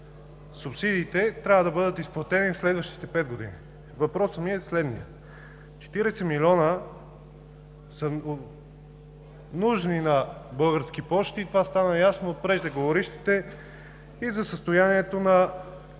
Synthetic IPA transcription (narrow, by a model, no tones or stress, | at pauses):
supsid̪iːt̪ɛt̪ɾʲavəd̪ɐbɤd̪ət̪isplˠɐt̪ɛnifslɛd̪vəʃt̪i̥t̪ɛpɛd̪̚ɡod̪ḭnḭ | vɐpɾɔsəmiɛslɛd̪nḭjə̰ | t͡ʃɛ̥t̪iɾɛsɛmilʲiɔnə | sə | nuʒninɐbɤlˠɡəɾsk̟ipɔʃt̪iːt̪ovast̪anəjasnoːt̪̚pɾɛʒd̪ɛɡovoɾiʃt̪i̥t̪ɛ | izɐsəst̪ojaniɛt̪onɐ